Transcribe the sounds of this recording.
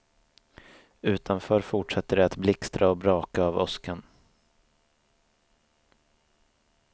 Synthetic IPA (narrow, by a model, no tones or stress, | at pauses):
ʉ̟ːt̪ʰanfœːɾfʊʈʂɛt̪ːəɖɛat̪blɪkst̪ɾʔaɔbɾɑːkaːvɔskən